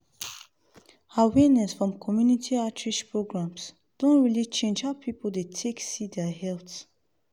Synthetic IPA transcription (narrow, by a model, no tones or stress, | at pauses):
awenɛsfɹɔ̃mkʰɔmjunitʰiatʰɹiʃpʰɹoɡɹãms | d̥õnɹilit͡ʃẽnd͡ʒapʰipəl̩d̪etʰeksid̪ɛɦɛlts